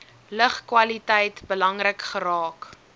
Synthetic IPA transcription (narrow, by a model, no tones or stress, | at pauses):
ləχkwɐlitɛjtbəlɐŋrəkχəɾɑːk